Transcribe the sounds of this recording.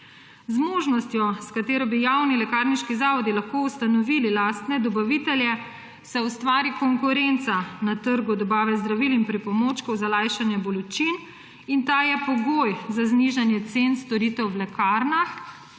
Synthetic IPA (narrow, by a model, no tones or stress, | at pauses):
zmoːʒnɔst̪jɔskat̪eːɾɔbijawnilɛkaːɾniʃkizaːʋɔd̪ilaxkoust̪anɔʋililaːst̪nɛd̪ɔbaʋit̪ɛljɛ | sɛust̪ʋaːɾikɔŋkuɾɛnt̪sanat̪əɾɡud̪ɔbaːʋɛzd̪ɾaʋilinpɾipɔmot͡ʃkɔwzalaːjʃanjɛbɔlɔt͡ʃin | int̪ajɛpɔɡojzazniʒanjɛt̪senst̪ɔɾit̪ɛwwlɛkʰaɾnax